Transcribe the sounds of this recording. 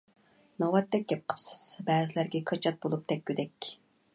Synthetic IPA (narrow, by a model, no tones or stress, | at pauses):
nɑwɑt̪ːɛk̚ʲɡʲɛp̚qʰə̥psɨ̥z̥bɛːzɪlæɾɡʲɛkʰɑt͡ʃʰɑt̪̚bolˠup̚t̪ɛk̚ʲːød̪ɛkʲ